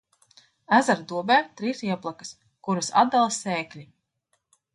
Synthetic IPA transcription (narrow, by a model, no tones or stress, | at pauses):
æzaɾd̪uɔbɛːt̪ɾisiɛplˠakḁs | kuɾusa̰d̪alˠɐsɛːklʲi